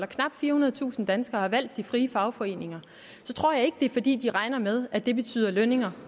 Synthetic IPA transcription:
lɐkʰnɑ̈b̥d̥fiːɐhunɐð̞ˠt͡sʰṵːsn̩d̥ænsɡ̥ɐːhɑ̈ʋæl̰d̥ːifʁiːəfɑ̈ʊfɒ̽e̝̰ːne̝ŋɐ | sɒ̽t͡sʰʁo̝ɐ̰jɑ̈ɪe̝ɡ̥d̥e̝fɒ̽d̥ḭːd̥iʁɑ̈ɪnɐmeð̞ˠæd̥e̝b̥e̝t͡sʰy̰ːð̰ˠɐløne̝ŋɐ

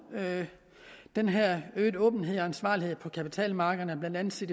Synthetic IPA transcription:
d̥enɦeɐ̰øːd̥ɔ̽ːb̥n̩ɦe̝ð̞̰ˠɒ̽ænsʋɑ̰̈ːlihe̝ð̞̰ˠpʰɒ̽kʰæpit͡sʰɛ̰ːlmɑ̈ːɡ̥ðˠɐnəæɐb̥lænd̥æn̩ˠsid̥i

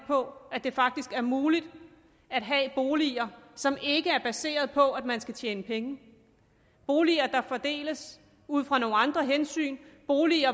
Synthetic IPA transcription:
pʰɒ̽æd̥e̝fɑ̈ɡ̥̚d̥isɡ̥æɐmuːlid̥ | æd̥ɦɛb̥o̝ːliːɐsɒ̽me̝ɡ̥əæɐb̥æse̝̰ːɐð̞̩ˠpʰɒ̽æd̥mænsɡ̥æt͡ɕʰjeːnəpʰeŋə | b̥o̝ːliɐd̥ɑ̈fɒ̽d̥e̝̰ːləs | uð̞̰ˠfʁɑ̈no̝ːŋn̩ɑ̈nd̥ʁɐɦensy̰ːnb̥o̝ːliɐ

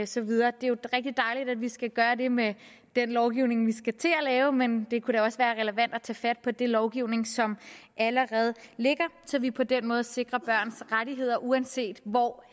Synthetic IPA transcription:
sɒ̽ʋið̞ˠɐːd̥e̝jo̝ʁɛɡ̥̚d̥id̥ɑ̈ɪlid̥ædʋisɡ̥æɡ̥ɶːɐde̝me | d̥enlɒʊɡ̥iʊne̝ŋʋisɡ̥æt͡sʰe̝lælɛːʊmend̥e̝kʰuɾæɒ̽sʋæːɐʁɛləʋæn̰d̥æt͡sʰɛ̰ːfæd̥̚pʰɒ̽d̥e̝lɒʊɡ̥iʊne̝ŋsɒ̽mʔæləʁɛːð̞̩ˠle̝ɡ̥ɐsɒ̽ʋipʰɒ̽d̥enmɔ̽ːð̩ˠse̝ɡ̥ʁɐb̥ɶɐ̰nsʁaɾiɦe̝ð̞̰ˠɐʔuænse̝̰ːd̥ʋɒ

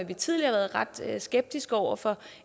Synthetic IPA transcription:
æʋit͡sʰið̞̰ˠliɐʋæːɐð̞̩ˠʁɑ̈d̥sɡ̥eb̥̚d̥isɡ̥ɒʊ̰ɐfɒ̽

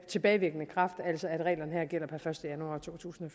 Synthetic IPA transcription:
t͡sʰe̝b̥ɛːɪʋeɡ̥ənəkʰʁɑ̈fd̥æl̰sɒæd̥ʁɛ̰ːlɐnəɦæɐ̰ɡ̥el̰ɐpʰæfɶɐsd̥əjænuɑ̈t͡sʰo̝̰ːt͡sʰṵːsn̩ɒ̽f

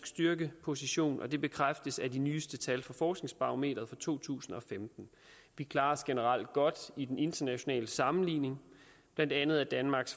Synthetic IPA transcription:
ɡ̥sd̥yɐɡ̥əpʰo̝siɕo̝̰ːnʔɒ̽d̥e̝b̥e̝kʰʁafd̥əsæd̥inyːsd̥ət͡sʰælfɒ̽fɒːsɡ̥ne̝ŋsb̥ɑ̈ʁome̝̰ːd̥ɐðˠfɑ̈t͡sʰo̝̰ːt͡sʰṵːsn̩ɒ̽femd̥n̩ | ʋikʰlɑ̈ːsɡ̥enəʁɑl̰d̥̚ɡ̥ɒ̽d̥id̥ene̝nd̥ɐnæɕo̝nɛ̰ːləsɑ̈mn̩lḭːne̝ŋ | b̥læn̰d̥ænð̞̩ˠæd̥ænmɑ̈ːɡ̥s

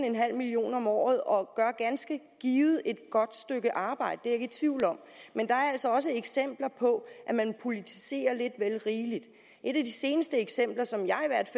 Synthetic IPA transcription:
n̩enɦæl̰milio̝̰ːnɒ̽mɒ̰ːð̞̩ˠɒ̽ɡ̥ɶɐɡ̥ænsɡ̥ə | ɡ̥iːð̩ˠʔe̝d̥̚ɡ̥ɒ̽d̥sd̥øɡ̥əʔɑ̈ːb̥ɑ̈ɪ̰d̥əd̥e̝eɡit͡sʰʋiʊ̰lɒ̽m̰ | mend̥ɑ̈æɐæl̰sɒ̽ɒ̽s̬əeɡ̥sem̰b̥lɐpʰɒ̽ʔæmænpʰo̝lit͡sʰi̥se̝̰ːɐle̝d̥ʋelʁiːlid̥ | ʔe̝ɾ̥æd̥ise̝ːnəsd̥əeɡ̥sem̰b̥lɐsɒ̽mjɑ̈ɪiʋæɐ̰d̥f

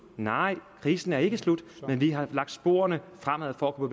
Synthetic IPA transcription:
nɑ̈ɪ̰kʰʁiːsn̩æɐe̝ɡ̥əslud̥menʋiɦɑ̈lɑ̈ɡ̥d̥sb̥o̝̰ːɐɐnəfʁam̰æð̰ˠfɒ̽ækʰupʰob̥

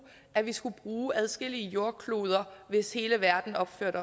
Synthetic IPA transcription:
ʔæʋisɡ̥ub̥ʁuːʔæð̞ˠsɡ̥e̝l̰iəjo̝ɐkʰloːð̞ˠɐʋe̝she̝ːləʋæɐd̥n̩ɒ̽b̥føɐ̰ɾ̥ɒ

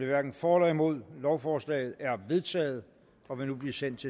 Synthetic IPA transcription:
eʋæɐɡ̥n̩fɒːlɛimo̝ð̞̰ˠlɒʊfɒːslɛ̰ɪð̞̩ˠæɐʋe̝ð̞ˠt͡sʰɛ̰ːð̩ˠ | ɒ̽ʋinub̥liɐsen̰d̥̚t͡sʰe

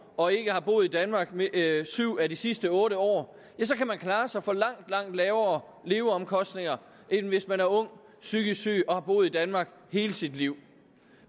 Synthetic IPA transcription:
ɒ̽e̝ɡ̥əhɑ̈b̥o̝̰ːð̩ˠid̥ænmɑ̈ːɡ̥msyʊ̰ædisisd̥əɔ̽ːɾəɒ̰ː | jæsɒ̽kʰæmænkʰlɑ̈ːsɑ̈ɪfɒ̽lɑ̈ŋ̰d̥lɑ̈ŋ̰d̥lɛːʊɐ | le̝ːʊəɒ̽mkʰɒ̽sd̥ne̝ŋɐ | ʔe̝nn̩ʋe̝smænæɐɔ̽ŋ̰ | syɡ̥əsy̰ːɒ̽hɑ̈b̥o̝ːð̩ˠid̥ænmɑ̈ːɡ̥he̝ːləsid̥liʊ̰

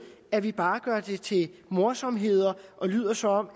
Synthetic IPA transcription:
æʋib̥ɑ̈ːɡ̥ɶɐd̥e̝t͡sʰe̝lmo̝ɐsɒ̽mɦe̝ð̞̰ˠɐʔɒ̽ly̰ð̞̰ˠɐsɒ̽ɒ̽m̰

